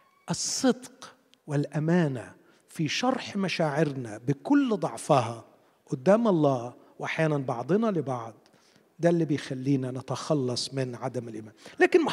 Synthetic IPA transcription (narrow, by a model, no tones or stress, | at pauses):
ʔɨsˤːɨd̪q | wɪlʔamaːna | fiʃɑɾˤħmaʃaːʕɪɾnabɪkʊlːd̪ˤɑʕfɑɦɑ | ʔʊd̪ːaːmʔɑlˤːɑː | wʔaħjaːnanbɑʕd̪ˤɨnɑlɪbɑʕd̪ˤ | d̪alːiːbɪjxalːiːnanɪt̪axɑlːɑsˤmɪnʕad̪amɪlʔɪmaːnlaːkɪnm